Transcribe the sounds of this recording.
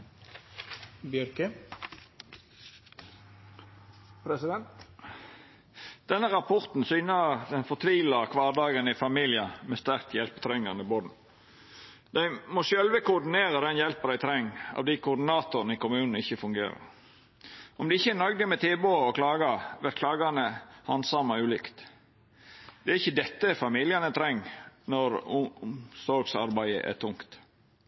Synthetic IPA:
bjœɾkə | pʰɾɛsɪd̪ɛnt̪ | d̪̥ɛnːəʁɑpʰɔʁt̪n̩syːnəd̪ɛnfɔʁt̪ʰʋiːləʁkʰʋɑːʁd̪ɑːɡənɪfɑmɪljɪəmɛst̪æʁk̚t̪jɛlpə̥t̪ʰɾɛŋːɑnəɪbod̪n̩ | d̪̥æɪmɔʃœlʋəkʊʁd̪ɪneːʁəd̪ɛnjɛlpəd̪æɪt̪ʰɾɛŋːɑ̰ːʋd̪æɪkʰʊːd̪ɪnɑːt̪ʊɾnəɪkʊmʉːnn̩ɪçːəfʉŋɡḛːɾə̰ɾ | ʔɔmd̪ɛɪçːəænɑɡd̪əmɛt̪ʰeːboːɔkʰlɑːɡɑʋɛt̪kʰlɑːɡɑnəhɑnsɑmɑʉːlɪkt̪ | d̪̥ɛæːɾɪçːəd̪ɛt̪ːəfɑmiːlɪɑnət̪ʰɾɛŋːnɔɾmsɔlɡsɑ̰ɾbæɪə̰ʔæ̰t̪ʰʊŋkt̪

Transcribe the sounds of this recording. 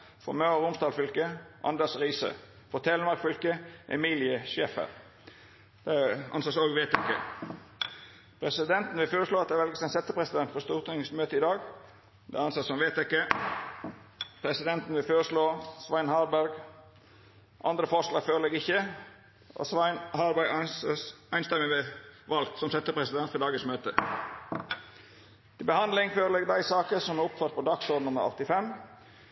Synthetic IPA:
fɔ̰møʁʁʊmsd̪ɑːlfʏlkəʔɑ̰nd̪əsʁiːsə̰ | fɔt̪ʰɛːləmɑkfʏlkəʔɛ̰miːlɪəʃeːfə̰ʁ | d̪̥ɛɑ̰nsɑsoːɡʋeɪt̪ɛkːə̰ | pʰɾɛsɪd̪ɛnt̪n̩ʋɪlføːɾəʂloːɑt̪̚d̪ɛʋɛlɡəsɛnsɛt̪ːəpʰʁɛsɪd̪ɛnt̪fɔst̪uːʁt̪ɪŋsmøːt̪əɪd̪ɑːɡ | d̪ɛ̰ɑnsɑtsɔmʋeɪt̪ɛkːə | pʰɾɛsɪd̪ɛnt̪n̩ʋɪlføːɾəʂloːsʋɑɪnhɑːɾbæɾɡ | ʔɑ̰nd̪ɾəfɔʂlɑːɡføːɾəleːɡɪçə | ʔɔ̰hɑːɾbæɡ | æɪnst̪ɛmɪʋɛʋɑlt̪sɔmsɛt̪ːəpʰɾɛsɪd̪ɛnt̪fɔdɑːɡəsmøːt̪ə | t̪ʰɪlbəhɑnd̪lɪŋføːɾəleːɡd̪æɪsɑːkəɾsɔmæʊpt̪ʰɑt̪̚pʰɔd̪ɑksɔd̪nʊmːə̰ɾɔ̰t̪ːɪfɛm

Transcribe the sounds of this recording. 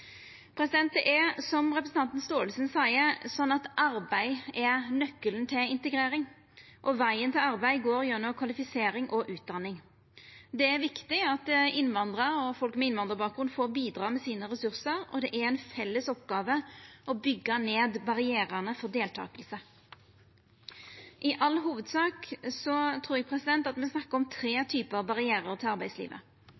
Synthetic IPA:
pʰɾɛsɪd̪ɛnt̪əʔɛsɔmʁɛpɾəsn̩ʰɑnt̪n̩st̪oːəlsənsæɪəsɔnːɑt̪ʔɑɾbæɪɛɾnœkːələnt̪ʰɪlɪnt̪əɡɾeːɾɪŋ | ʔɔʋæɪənt̪ʰɪlɑɾbæɪɡoːɾjœnːɔkʰʋɑlɪfɪseːɾɪŋʔɔʔʉːt̪̚d̪ɑnːɪŋ | d̪ɛæɾʋɪkt̪ɪɑt̪ɪnʋɑnd̪ʁəɔfɔlkmɛɪnʋɑnd̪əʁbɑːkɡʁʉnd̪foːbiːd̪ɾɑːmɛsiːnəʁɛsʉʁsəɾɔ̰d̪ɛʔæɾɛɪnfɛlːəsɔpɡɑːʋəʔɔbʏɡːəneːd̪bɑʁɪeːɾənəfɔɾd̪eːlt̪ʰɑ̰ːkəlsə | ʔɪʔɑlːɦuːʋəd̪sɑːksɔt̪ʰɾuːjæɡ̚pʰɾɛsɪd̪ɛnt̪ɑt̪mɛsnɑkːəɾɔmt̪ʰɾeːt̪ʰyːpəɑʋbɑʁɪæːɾəɾt̪ʰɪlɑɾbæɪslḭːʋə̰

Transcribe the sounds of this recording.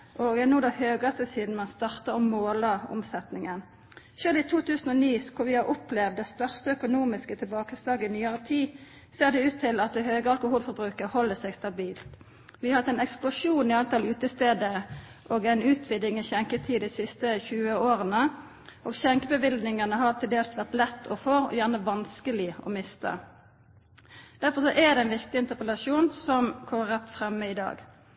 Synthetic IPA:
ʔoːɡɛnuːd̪əhøːɡɑst̪əsiːd̪n̩mɑnst̪ɑʁt̪əʁɔmmːoːləʊ̰msɛt̪nɪŋən | ʃøːlɪt̪ʰuːt̪ʰʉːsən̩ɔniːskʰʊʋɪhɑʁʔʊplɛʋd̪ːɛst̪œʁst̪əœkʊnuːmɪskət̪ʰɪlbɑːkəsd̪ɑːɡəɪnyːəʁət̪ʰiː | seːʁd̪ɛʉːt̪ʰːɪlɑt̪̚d̪høːɡəɑlkʊhuːlfɔbʁʉːkəʁhɔlːəsɛɡst̪ɑbiːlt̪ | ʋɪɑhɑt̪ːæɪnɛksplʊʂuːnɪɑlt̪ɑlʉːt̪əst̪eːd̪ə | ʔoːɡæɪnʉːt̪ʰʋɪd̪ɪŋiçɛŋkət̪ʰiːɛɪsɪst̪əçʉːəoːʁənə | ʔoːɡɕɛŋkəbəʋɪld̪nɪŋənəɦɑʁt̪ʰɪld̪eːlst̪ʋæʁt̪lɛt̪ʰːɔfoːɔ̰jæʁnəʋɑnskəlɪʔɔ̰mɪst̪ə̰ | d̪̥æɾfɔsɔʔɛd̪ɛæɪnʋɪkt̪ɪɪnt̪əʁpəlɑʂuːnsɔmkʰɔməʁɛt̪ːfʁɛmːəɪd̪ɑ̰ːɡ

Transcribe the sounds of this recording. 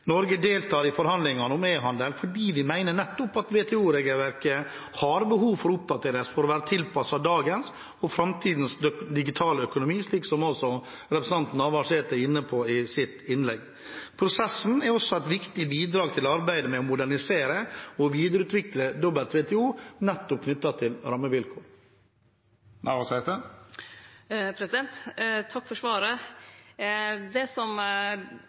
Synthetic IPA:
nɔɾɡəd̪eːlt̪ʰɑːɾɪfɔɾhɑnd̪lɪŋɑnʊmeːɦɑnd̪əlfɔɖiːʋɪmæɪnəɳɛt̪ːʊpɑt̪ʋeːt̪ʰɛːuːɾeːɡəlʋæɾkə | hɑɾbəɦuːʋfɔɾʊp̚d̪ɑt̪ʰeːɾəsfɔɾɔʋæːɾət̪ʰɪlpʰɑsɑd̪ɑːɡəns | ɔfɾɑmt̪ʰiːd̪n̩sd̪ɪɡɪt̪ʰɑːləœkʊnʊmiːsliːksɔmɔsɔ | ɾɛpɾəsn̩ɑnt̪n̩ɑʋɑʂeːt̪əɪnːəpʰɔɪsɪt̪ːɪnlɛɡ | pʰɾʊsɛsn̩ɛɾɔsːɔæɪt̪ʋɪkt̪ɪbiːd̪ɾɑːɡ̚t̪ʰɪlɔɑɾbæɪd̪əmɛɔmʊd̪æɳɪseːɾəɔʋiːd̪əɾəʉːt̪ʋɪkləd̪ɔbəlt̪ʰʋɛːt̪ʰɛuːnɛt̪ːɔp̚kʰnʏt̪ːɑt̪ʰɪlɾɑmːəʋɪlkʰoː | nʔæ̰ɪʋɑsɛɪsd̪ə | pʰɾɛsɪd̪ɛnt̪t̪ʰɑkːfɔʂʋɑːɾə | d̪ɛsɔm

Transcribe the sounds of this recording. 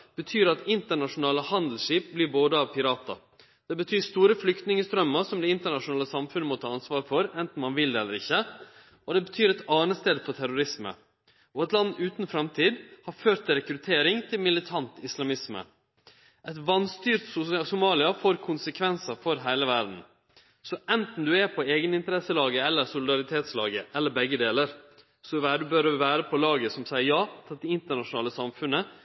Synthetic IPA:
b̥ət̪ʰyːɾɑt̪ɪnt̪əɳɑʂʊnɑːləhɑnd̪l̩ʂiːp̚blɪɾboːd̪əɑːʋpʰɪɾɑːt̪ɑ̰ | d̪̥ɛbət̪ʰyːst̪uːɾəflʏkt̪nɪŋəst̪ɾœmːəɾsɔmd̪ɛɪnt̪əɳɑʂʊnɑːləsɑmfʉnəmɔt̪ʰɑːɑnsʋɑːɾfɔɾɛnt̪n̩mɑnʋɪld̪ɛɛlːəɾɪçːə | ʔɔd̪ɛbət̪ʰyːɾɛt̪ɑːnəst̪eːd̪əfɔʈ̪ʰæɾʊɾɪsmə̰ | ʔɔɛt̪lɑnːʉːt̪nfɾɛmt̪ʰiːd̪hɑɾføːɾt̪ʰːɪlɾɛkɾʉt̪ʰeːɾɪŋt̪ʰɪlmɪlɪt̪ʰɑnt̪ɪslɑmɪsmə̰ | ʔɛt̪ʋɑnst̪yːɾt̪ssʊmɑːlɪɑfoːɾkʰʊnsəkʰʋɛnsɑfɔɾɦæɪləʋæɾd̪n̩ | sɔʔɛnt̪n̩d̪ʉɛpʰɔeːɡənɪnt̪əɾɛsːəlɑːɡəɛlːəɾsʊlɪd̪ɑɾɪt̪ʰeːt̪slɑ̰ːɡəʔɛlːəɾbɛɡːəd̪eːləɾ | sɔʋæɖ̪ʉbøɾʋæːɾəpʰɔlɑːɡəsɔmsæɪəɾjɑːt̪ʰɑɪɪnt̪əɳɑʂʊnɑːləsɑmfʉnːə

